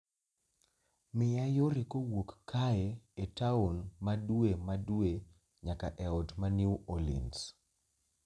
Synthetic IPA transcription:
mɪjajoɾekowokːaɛetaonmaduemadwe | ɲakaʔɛɔtmanuwolḭns

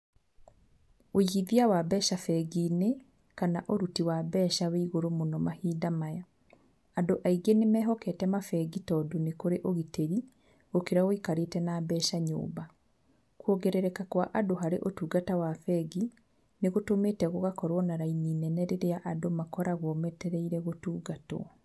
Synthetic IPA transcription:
ojiðiawabɛːʃafɛɣiːne | kanaʔoɾutiwabɛːʃaweiɣoɾomonɔmahiːdamajaː | ndoʔaiɡenemɛːɦɔkɛtɛmafɛɡitɔdonekoɾeʔoɣiteɾi | okeɾaɣoikaɾetɛnabɛʃaɲo̰ːba | kwoɡɛɾɛɾɛkakwaʔadoɦaɾḛʔotuːɡatawafɛɡi | neɣotomeːtɛɣoɣakɔɾwɔnaɾainiːnɛnɛɾeɾeaʔadomakɔɾaɣwɔmɛtɛɾɛiɾɛɣotuːɡatw̰ɔ

